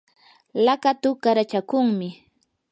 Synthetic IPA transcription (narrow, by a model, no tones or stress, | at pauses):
lakat̪ʊkaɾat͡ʃakʊŋmɪ